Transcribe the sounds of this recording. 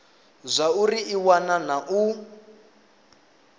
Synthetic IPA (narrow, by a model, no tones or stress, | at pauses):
zʷauriːwananaʔu